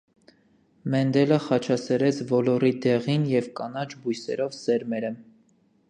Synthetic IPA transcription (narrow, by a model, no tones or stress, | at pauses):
mɛnd̪ɛləχɑt͡ʃʰɑsɛɾɛt͡sʰvɔlɔɾid̪ɛʁinjɛvkɑnɑt͡ʃʰbujsɛ̰ɾɔvsɛɾmɛɾə